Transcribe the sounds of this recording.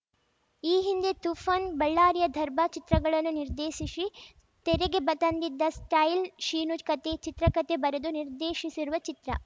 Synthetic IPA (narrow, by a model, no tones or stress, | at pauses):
iːɦind̪e̞t̪ufʰɐnbɐɭːaːɾjɐd̪ʱɐɾbʱɐt͡ʃit̪ɾɐɡɐɭɐnːuniɾd̪eːʃisi | t̪eɾeɡe̞bɐt̪ɐnd̪id̪ːɐsʈɐjlʃiːnukɐt̪e̞t͡ʃit̪ɾɐkɐt̪e̞bɐɾɐd̪uniɾd̪eːʃisiɾuʋɐt͡ʃit̪ɾɐ̰